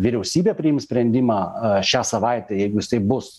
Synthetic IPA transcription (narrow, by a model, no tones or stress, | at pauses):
ʋʲɪɾʲɛʊsʲiːbʲeːpʲɾʲɪjɪmsʲpʲɾʲɛnʲd̪ʲɪmɑːʃʲæːsɐʋɑɪt̪ʲɛjɛɪɡʊɪst̪ɐɪbʊs